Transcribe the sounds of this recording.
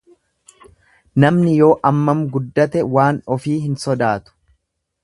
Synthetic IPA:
nɐmnɪjo̞ːʔɐmːɐmɡʊd̪ːɐt̪ɛwaːnɔfiːɦɪnsɔd̪aːt̪ʊ̥

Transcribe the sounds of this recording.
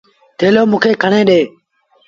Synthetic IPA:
t̪ʰeːloːmũːkʰeːkʰəɳẽːɗeː

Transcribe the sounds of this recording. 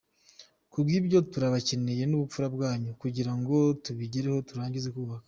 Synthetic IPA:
kubɡiːbɟo̞tuɾaβaceneje̞nuβup͡fuɾabɡaːɲukuɟiɾaŋɡo̞tuβiɟeɾeho̞tuɾaːɲɟize̞kuːβakḁ

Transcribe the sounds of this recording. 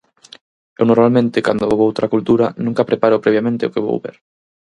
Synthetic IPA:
ewnoɾmalmẽnt̪ɪkand̪ooɣowt̪ɾakult̪uɾanũŋkapɾepaɾʊpɾeβjamẽnt̪ɪokeβo̰wβḛɾ

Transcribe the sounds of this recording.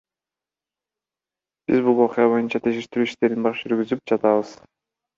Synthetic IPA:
b̥ḭzbulˠo̞qjɑβo̞junt͡ʃɑt̪ʰeʃeʃt̪iɾyːiʃt̪e̞ɾinbɑɾd͡ʒyɾɡyzyp̚d͡ʒɑt̪ɑβɯz̥

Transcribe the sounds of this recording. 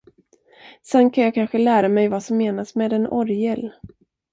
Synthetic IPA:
sɛnːkʰanjɑːkʰanɧəlæːɾamɛjvasɔmːeːnasmeːd̪ɛnɔɾjɛl

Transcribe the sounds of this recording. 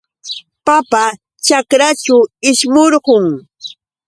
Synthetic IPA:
papa | t͡ʃakɾat͡ʃʊɪʃmoɾɢʊŋ

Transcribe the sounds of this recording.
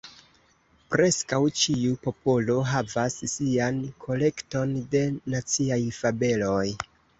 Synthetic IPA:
pɾe̞skawt͡ʃiupo̞po̞lo̞ɦavassiankʰo̞le̞kto̞nde̞nat͡siajfabe̞lo̞j

